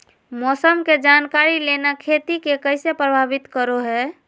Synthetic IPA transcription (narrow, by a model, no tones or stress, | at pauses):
mɔsəmked͡ʒankaɾilenakʰet̪ikekəjsepɾəbʱabit̪kəɾoɦɛ